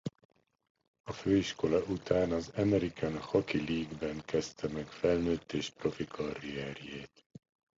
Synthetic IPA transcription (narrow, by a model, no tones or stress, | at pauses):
ɒføːiʃko̞lɒʔut̪aːnɒzɒmɛɾikanhɒkiliːɡbɛŋkɛst̪ɛmɛkfɛlnøːt̪ːeːʃpro̞fikʰɒrɾiɛrjeːt̪